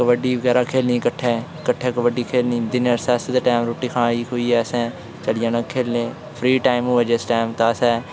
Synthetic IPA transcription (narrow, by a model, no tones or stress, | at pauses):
kʋəɖiːʋəɡɛːɾaːkʰeːlniːkəʈʰːɛːkəʈʰːɛːkəʋəɖiːkʰeːlniːd̪ɪnəɾsɛːsd̪aʈaːmɾoːʈiːkʰãːiːkʰoiːɛːsɛ̃ː | t͡ʃəlɪjãːnakʰːeːlnẽː | pʰɾiːʈaːɪmʊːed͡ʒesʈaːmt̪aːsɛː